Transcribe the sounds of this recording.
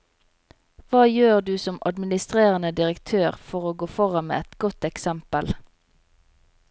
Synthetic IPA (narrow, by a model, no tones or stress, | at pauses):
ʋɑːjøːʁd̪ʉːsɔmɑd̪mɪnɪst̪ʁeːʁənəd̪ɪʁəkt̪ʰøːʁfɔʁoːɡoːfɔʁɑnmḛːɛt̪ɡɔt̪ɛksɛmpəl